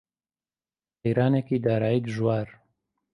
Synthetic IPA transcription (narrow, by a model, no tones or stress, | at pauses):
pɛjɾaːnekiːd̪aːɾaːjiːd̪ʒwaːɾ